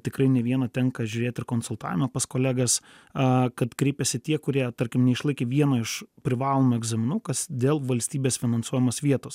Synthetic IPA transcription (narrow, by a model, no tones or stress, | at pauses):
t̪ʲɪkɾɐɪnʲɛʋʲiɛnɐt̪ʲɛŋkɐʒʲʊɾʲeːt̪ɪrkoːnsʊlˠt̪ɑ̰ːʋʲɪmɐpɐskoːlʲæːɡɐs | ɐkɐt̪kɾʲɛɪpʲɛsʲɪt̪ʲiɛkʊɾʲiɛt̪ɐɾʲkʲɪmnʲɛɪʃlˠɐɪkʲeːʋʲiɛnɐɪʃpʲɾʲɪʋɑːlˠoːmʊɛɡzɑmʲɪnuːkɐsd̪ʲeːlˠʋɐlʲsʲt̪ʲiːbʲeːsfʲɪnɐnsuɔjɛmɐsʋʲiɛt̪oːs